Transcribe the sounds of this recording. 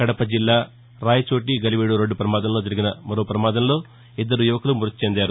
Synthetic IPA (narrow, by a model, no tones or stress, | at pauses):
kɐɽɐpɐd͡ʒilːaː | ɾaːjɐt͡ʃoːʈiɡɐliʋeːɽuɾeɳɖːupɾɐmaːd̪ɐmlo̞ːd͡ʒɐɾiɡinɐmɐɾoːpɾɐmaːd̪ɐmlo̞ː | id̪ːɐɾujuʋɐkɐlumuɾɐt̪t͡ʃend̪aːɾu